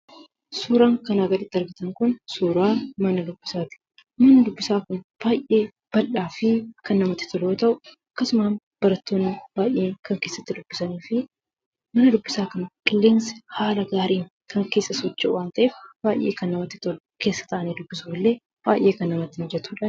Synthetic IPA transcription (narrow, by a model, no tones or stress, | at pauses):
suːɾaːŋkɐnaːɡɐd̪ɪt̪ːɐɾɡɪt̪ɐŋkʊnsuːɾaːmɐnɐd̪ʊbːɪsaːt̪ɪ̥ | mɐnɐd̪ʊbːɪsaːkʊnb̥aːjʔe̞ː | b̥ɐlᶑaːfɪkɐnːɐmɐt̪ːɪ̥t̪ɔloːt̪ɐʔʊɐkːɐsʊmaːn | b̥ɐɾɐt̪ːo̞ːnːɪb̥aːjʔeːŋkɐŋke̞ːsːɐt̪ːɪd̪ʊbːɪsɐniːfɪ | mɐnɐd̪ʊbːɪsaːkɐnkʼɪlːeːnsɪ̥haːlɐɡaːɾiːŋ | kɐŋke̞ːsːɐsɔt͡ʃːɛʔʊwaːnt̪ɐʔeːfb̥aːjʔːḛːkɐnːɐmɐt̪ːɪ̥t̪ɔlʊke̞ːsːɐ̥t̪ɐʔɐniːd̪ʊbːɪsuːlːe̞ː | b̥aːjʔːe̞ːkɐnːɐmɐt̪ːɪnd͡ʒɛt̪uːᶑɐn